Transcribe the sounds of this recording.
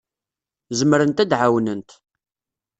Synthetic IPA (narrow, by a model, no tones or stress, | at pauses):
zəməɾənt̪æd̪ʕawnənt̪